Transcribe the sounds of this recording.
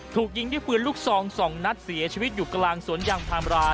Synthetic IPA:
t̪ʰuː˨˩k̚ji˧˦ŋduː˥˩pɯː˧ənluː˥˩k̚sɔː˧ŋsɔː˩˦ŋna˦˥t̪̚si˨˩˦ɐt͡ɕʰiː˧wt̪̚juː˨˩klaː˧ŋsu˩˦ənjaː˧ŋt̪ʰaː˧mɾaː˦˥

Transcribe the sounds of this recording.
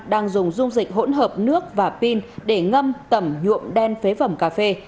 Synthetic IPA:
ɗaː˧ŋzʊ˨˩ŋ͡mzʊ˧ŋ͡mzï˨˩k̟̚ɦo̰˧˥nɦəː˨˩p̚nɨ˦˥ək̚vaː˨˩pi˧nɗe˧˩ŋə˧mt̪ə˧˩mɲṵ˧˨əmɗɛ˧nfe˨˦və˧˩mkaː˧fe˧

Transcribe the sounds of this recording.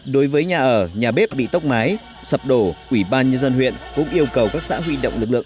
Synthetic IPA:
ɗo˨˦jvəː˨˦jɲaː˨˩ʔəː˧˩ɲaː˨˩ɓe˦˥p̚ɓḭ˧˨t̪ə˦˥wk͡p̚maː˨˦j | sə˨˩p̚ɗo˧˩ʔwi˧˩ɓaː˧nɲə˧nzə˧nɦwḭ˧˨ənkʊ̰˧˥ŋ͡mʔi˧əwkə˨˩wkaː˦˥k̚sa̰ː˧˥ɦwi˧ɗə̰˧˨wŋ͡mlɨ˨˩k̚ɨ̰˧˨ə˨

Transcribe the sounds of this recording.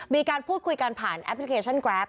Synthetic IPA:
miː˧kaː˧npʰuː˥˩t̪̚kʰu˧jka˧npʰaː˨˩nʔɛ̰˦˥pʰli˦˥kʰeː˧t͡ɕʰa˥˩nkɾɛː˦˥p̚

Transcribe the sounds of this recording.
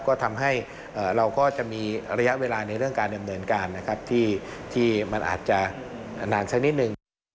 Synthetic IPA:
kɔː˥˩t̪ʰa˧mɦa˥˩j | ʔaː˨˩ɾa˧wkɔː˥˩t͡ɕa˨˩ʔmiː˧ɾa˧ja˦˥ʔweː˧laː˧na˧jɾɯ˥˩əŋkaː˧nda˧mnɤː˧nkaː˧nːa˦˥kʰa˦˥p̚t̪ʰiː˥˩t̪ʰiː˥˩ma˧nʔa̰ː˨˩t̪̚t͡ɕa˨˩naː˧nsa˦˥k̚ni˦˥t̪̚nɯ˨˩ŋ

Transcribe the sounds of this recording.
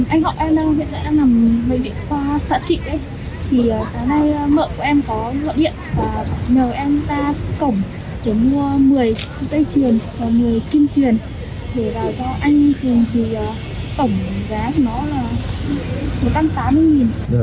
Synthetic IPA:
ʔa˧jŋ̟hɔ̰˧˨˩ʔɛ˧mɗə˧wɦḭ˧˨nɗa̰ː˧˥na˨˩mmə˨˦jvḭ˧˨əkwaː˧sa̰ː˧˥t̚t͡ɕḭ˧˨ʔə˨˧˦j | t̪ʰi˨˩əː˨˩saː˨˦ŋna˧jmə̰ː˧˨ku˧˩əʔɛ˧mkɔ˨˦zə̰˧˨t̚ɗḭ˧˨ənvaː˨˩ɲəː˨˩ʔɛ˧mt̪aː˧kə˧˩wŋ͡m | ɗe˧˩mu˧əmɨ˨˩əj | zə˧jt͡ɕwi˨˩ənvaː˨˩mɨ˨˩əjki˧nt͡ɕwi˨˩ən | ɗe˧˩vaː˨˩wt͡ɕɔ˧ʔa˧jŋ̟t̪ɨ˨˩əŋt̪ʰi˨˩ʔə˨˩ | t̪ə˧˩wŋ͡mzaː˨˦˨nɔ˨˦laː˨˩ | mo˨˩t̚t͡ɕa˧mt̪aː˨˦mːɨ˧əjŋi˨˩n

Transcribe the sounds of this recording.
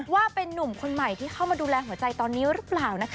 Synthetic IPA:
waː˥˩pe˧nːu˨˩mkʰo˧nma˨˩jt̪ʰiː˥˩kʰa˥˩wmaː˧duː˧lɛː˧ɦu˨˩˦ɐt͡ɕa˧jt̪ɔː˧nːiː˦˥ɾɯ˦˥plaː˨˩wna˦˥kʰ

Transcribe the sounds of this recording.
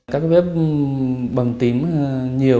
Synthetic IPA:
kaː˦˥k̚fɛ˦˥p̚ | ɓə˨˩ŋt̪i˨˩əmɲi˨˩ə

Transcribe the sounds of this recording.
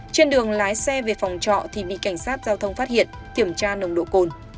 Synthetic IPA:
t͡ɕe˧nɗɨ˨˩əŋlaː˨˦jsɛ˧ve˨˩fa˨˩wŋ͡mt͡ɕɔ̰˧˨t̪ʰi˨˩ɓḭ˧˨ka˧˩jŋ̟saː˦˥t̚zaː˧wt̪ʰə˧wŋ͡mfaː˦˥t̚hḭ˧˨ən | ki˧˩əmt͡ɕaː˧nə˧wŋ͡mɗo̰˧˨ko˨˩n

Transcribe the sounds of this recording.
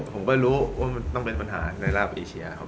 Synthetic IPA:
pʰo˩˦mkɔː˥˩jɾuː˦˥waː˥˩ma˧nt̪ɔ˥˩ŋpe˧npa˧nɦa̰ː˩˦na˧jlaː˥˩p̚ʔeː˧t͡ɕʰi˧ɐkʰa˦˥

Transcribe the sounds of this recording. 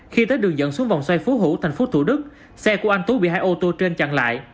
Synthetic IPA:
xi˧t̪əː˨˦jɗɨ˨˩əŋzə̰˧˨nsu˨˦əŋva̰˨wŋ͡mswa˧jfu˨˦ɦu˧˩t̪ʰa˨˩jŋ̟fo˨˦t̪ʰu˧˩ɗɨ˦˥k̚ | sɛ˧ku˧˩əʔa˧ŋ̟t̪u˨˦ɓḭ˧˨haː˧jʔo˧t̪o˧t͡ɕe˧nt͡ɕa̰˧˨ŋla̰ː˧˨j

